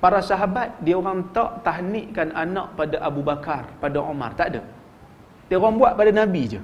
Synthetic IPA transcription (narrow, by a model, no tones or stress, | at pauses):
paɾasaɦabat̪̚diaoɣaŋt̪ɔʔt̪aɦniʔkananɔʔpadaʔabubakarpadaʔoma̰rt̪aʔdə̰ | dioɣaŋbuaʔpadanabid͡ʒə̰